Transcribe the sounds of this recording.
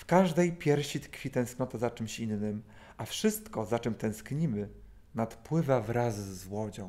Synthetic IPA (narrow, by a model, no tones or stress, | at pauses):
fkaʐd̪ɛjpʲjɛɾɕit̪kfʲit̪ɛ̃w̃sknɔt̪azat͡ʂɘmɕinːɘm | ʔafʂɘst̪kɔzat͡ʂɛmt̪ɛ̃w̃skɲimɘ | nat̪pwɘvavɾazːwɔd͡ʑɔ̃w̃